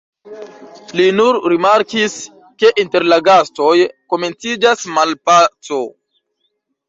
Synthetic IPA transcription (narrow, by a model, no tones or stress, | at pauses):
linuɾɾimaɾkis | ke̞ʔinte̞ɾlaɡasto̞jko̞me̞nt͡sid͡ʒasmalpat͡so̞